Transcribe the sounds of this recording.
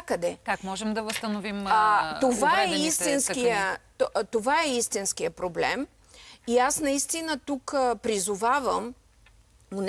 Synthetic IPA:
kəd̪ɛkakmɔʒɛmd̪ɐvəst̪ɐnovimat̪ovaɛist̪inskijət̪t̪ovaɛist̪insk̟ijəpɾoblɛ̰m | iasnɐist̪inət̪ukəpɾizʊvavəm | nʊn

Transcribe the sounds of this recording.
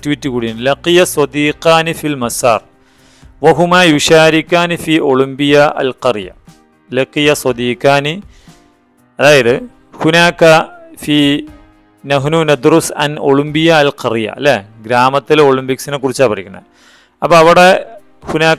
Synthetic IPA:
tuwitːɨkuːɽijanlɐqijɐsˤɐd̪iːqaːnifilmɐsɑ̰ːrˤ | ʋɐɦumaːjuʃaːɾikːaːnfiːʔoɭimbijaʔɐ̰lqɐrjɐ̰ | lɐqijɐsɐd̪iːkaːni | ɐðaːjɐðɨ | hunaːkːɐfiː | nɐɦnuːnɐd̪rusɐ̰noɭimbijɐːlqɐrijɐ̰ɐ̰lːeɡɾaːmɐt̪ːiloːɭimpiksinekːurit͡ɕːaːlpɐrikʲːunːɐ̰ð | ɐpːoɐʋiɽe | hunaː

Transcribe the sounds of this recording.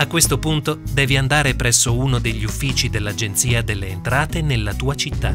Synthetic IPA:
akːwest̪opunt̪od̪ɛːviand̪aːɾepɾɛsːouːnod̪eʎːiufːiːt͡ʃid̪elːad͡ʒent̪siːad̪elːeːnt̪ɾaːt̪enelːat̪uːat͡ʃit̪ːa̰

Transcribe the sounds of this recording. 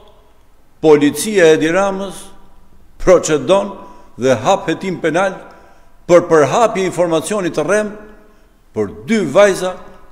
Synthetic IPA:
pɔlit͡siaɛd̪iɾaməs | pɾɔt͡ʃɛd̪ɔnðɛɦaphɛt̪impɛnal | pəɾpəɾɦapjɛinfɔɾmat͡sijɔnit̪ərɛm | pəɾd̪yvajza

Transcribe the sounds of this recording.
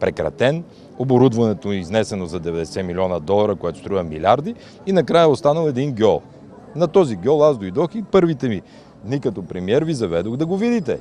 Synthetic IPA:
pɾɛkɾɐ̰t̪ɛn | oboɾud̪vɐnɛt̪oiznɛsɛnozɐd̪ɛvɛd̪ɛsɛmilʲiɔnɐd̪ɔlˠɐɾəkojɛt̪o̥st̪ɾuvɐmilʲaɾd̪iː | nɐkɾajəost̪anəlˠɛd̪inɡʲɔlˠ | nɐt̪ɔziɡʲɔlˠazd̪ojd̪ɔxipɤɾvit̪ɛmi | d̪nikɐt̪ɔpɾɛmiɛɾvizɐvɛd̪oɣd̪ɐɡovid̪it̪ɛ̰

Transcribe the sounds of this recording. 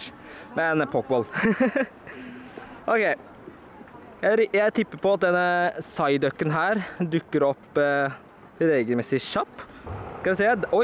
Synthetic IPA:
mɛɛnpʰɔkbɔl | ʔɔkeɪ | jæɪɾjæɪt̪ʰɪpːəpʰɔɑt̪̚d̪ɛnːəsɑɪd̪œkːənɦæːɾd̪ʉkːəɾɔpː | ɾeːɡəlmɛsɪʃɑpːskɑɛseːd̪ɔ

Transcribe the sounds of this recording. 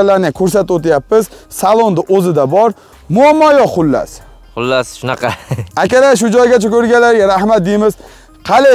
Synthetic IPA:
alaɾnɪkʲʰɵɾs̬at̪ot̪ɪjapːɪz̥salˠond̪ɪʔozɪd̪abɒɾ | mʊamːɒjɒqʊlːa̰s | qʊlːasʃʊnɑqɑakʲaɾaʃ̬ʊd͡ʒɒjɡʲat͡ʃʰakʲʰɵɾɡʲalaɾʲɾahmat̪̚d̪emɪz̥ | qʰɑle

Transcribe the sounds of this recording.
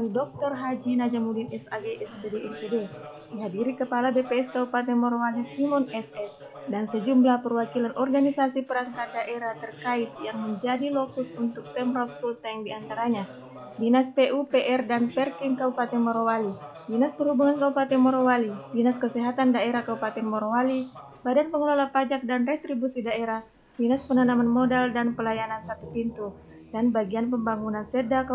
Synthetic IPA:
idɔk̚t̪ɔrɦad͡ʒinad͡ʒamudinɛsaɡeʔɛsbedeɛpede | diɦadiɾikəpalabepeɛskaupat̪ɛmɔɾowalisimɔnɛsɛs | dansəd͡ʒumblahpərwakilanʔɔrɡanisasipəɾaŋkadaʔeɾaht̪ərkait̪̚jaŋməɲd͡ʒadilokusunt̪ʊk̚tɛmrɔt̪̚sult̪aiŋdiant̪aɾaɲa | binaspeʔupeʔɛrdanpɛrkɪŋkaupat̪ɛnmoɾowali | binaspərhubuŋankaupat̪ɛmoɾowalibinaskəsɛɦat̪andaeɾahkaupat̪ɛnmoɾowali | badanpəŋəlolapad͡ʒak̚danret̪ɾibusidaeɾah | binaspənanamanmodaldanpəlajanansat̪upint̪u | danbaɡianpəmbaŋunansedak

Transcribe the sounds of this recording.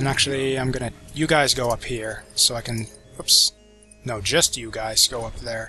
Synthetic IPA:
ɨ̃næk̚t͡ʃul̩ˠiãɪ̃mɡʌnɨjɨɡaɪzɡoʊʌphiɹsoʊaɪkɨ̃n | hʊps | noʊd͡ʒʌstjɨɡaɪz̥ɡ̥oʊʌp̚ðə˞

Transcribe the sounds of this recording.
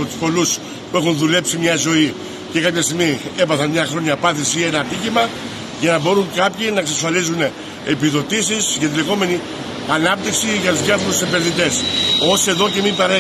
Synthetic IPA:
ot̪u̥spo̞lus | puexunðule̞psimɲɐzo̞i | cekɐpçɐst̪iɣmiebɐθɐnmɲɐxɾo̞ɲɐpɐθisienɐt̪icimɐ | ʝɐnɐbo̞ɾuŋkɐpçinɐeksɐsfɐlizune | epiðo̞t̪isisʝɐt̪̬ile̞ɣo̞me̞ni | ɐnɐp̚t̪iksiʝɐt̪uzðjɐfo̞ɾusembeɾðit̪e̞so̞sie̞ðo̞ce̞mipɐɾe

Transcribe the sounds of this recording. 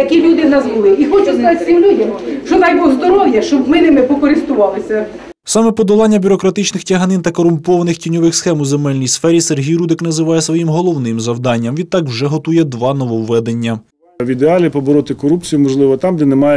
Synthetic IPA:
jɐkʲilʲud̪ɪnɐzbʊlˠɪixɔt͡ʃʊskɐzɑt̪ʲsʲimlʲudʲɐmʃt͡ʃɔnɑjbɔzd̪ɔɾɔwjɐʃt͡ʃɔbmɪnɪmɪpɔkɔɾɪst̪ʊʋɑlˠɪsʲɐ | sɑmɛpɔd̪ɔlˠɑnʲːɐbʲʊɾɔkɾɐt̪ɪt͡ʃnɪxtʲɐɦɐnɪnt̪ɐkɔɾʊmpɔʋɐnɪxtʲinʲɔʋɪxsxɛmʊzemɛlʲnʲijsfɛɾʲiserɦʲijɾud̪ɪknɐzɪʋɑjɛsʋɔjimɦɔlˠɔwnɪmzɐwd̪ɑnʲːɐmʋʲid̪̚t̪ɑkwʒɛɦɔt̪ujɛd̪ʋɑnɔʋɔwːɛd̪e̞nʲːɐ | ʋʲid̪eɑlʲipɔbɔɾɔt̪ɪkɔɾupt͡sʲijumɔʒlˠɪʋɔt̪ɑmd̪ɛnɛmɑjɛ

